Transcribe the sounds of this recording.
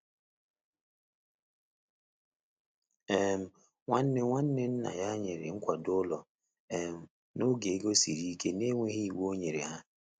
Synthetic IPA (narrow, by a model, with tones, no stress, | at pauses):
e˦˨m̩˦˨ | ŋʷa˦n̩˦ne˦ŋʷa˦n̩˦ne˦n̩˦na̰˨ja˦ɲe˨ɾɪ̰˨ŋ̩˦kʷa˨dʊ˦lɔ˨ | e˨m̩˨ | no˦ɡe˨e˦ɡo˦si˨ɾi˦ke˦ne˦ŋʷe˦ɦi˦i˨wo˦ɲe˨ɾḛ˨ɦa˦